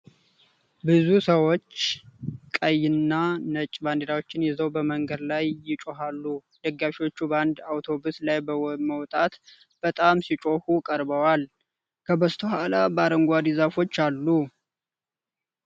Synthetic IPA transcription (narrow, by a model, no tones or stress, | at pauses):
bɨzusəwo̞t͡ʃːkʼəjːɪnːanət͡ʃʼband̪eɾawo̞t͡ʃːɪnjɛzəwbəməŋɡəd̪lajːɪt͡ʃʼo̞ɦalːu | d̪̥əɡːafiwo̞t͡ʃːuband̪awt̪ʰo̞buslajbəməwt̪ʼat̪ | b̥ət̪ʼamsit͡ʃʼo̞hukʼəɾbəwal | kʰəbəst̪ʰəhalabəaɾəŋɡʷad̪izafo̞t͡ʃːalːu